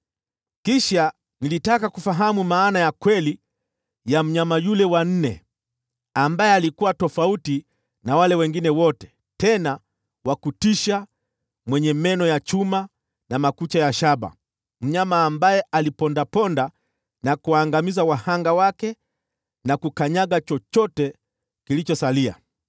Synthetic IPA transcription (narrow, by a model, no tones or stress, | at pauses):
kiʃa | nilitakakufaɦamumaːnajakwɛli | jam̩ɲamajulɛwan̩nɛ | ambajɛalikuwatɔfauti | nawalɛwɛŋɡinɛwɔtɛ̥ | tɛna | wakutiʃa | mwɛɲɛmɛnɔjat͡ʃuma | namakut͡ʃajaʃaɓa̰ | m̩ɲamaːmbajɛalipɔndapɔnda | nakuwaːŋɡamizawahaŋɡawakɛ | nakukaɲaɡat͡ʃɔt͡ʃɔtɛ | kilit͡ʃɔsalia̰